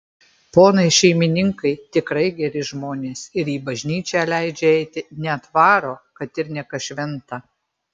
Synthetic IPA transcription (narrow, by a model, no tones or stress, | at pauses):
poːnɐɪʃʲɛɪmʲɪnʲɪŋkɐɪt̪ʲɪkɾɐɪɡʲɛɾʲɪʒmoːnʲeːsɪɾiːbɐʒʲnʲiːt͡ʃʲæːlʲæɪd͡ʒʲɛɛɪt̪ʲɪnʲɛɐt̪ʋɑːɾoːkɐt̪ɪɾnʲɛkɐʃʲʋʲɛnt̪ɐ